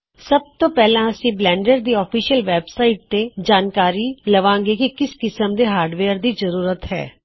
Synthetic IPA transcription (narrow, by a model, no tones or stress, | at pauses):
səb̚t̪oːpɛːlãːəsĩːblɛ̃ːɳɖəɾd̪iːɔːpʰiːʃəlʋɛːbsaːɪʈ̚t̪ed͡ʒaːnkaːɾiːləʋãːŋɡeːkikɪskɪsəmd̪eːɦaːɾɖʋeːəɾd̪iːzəɾuːɾət̪ɦɛ̰ː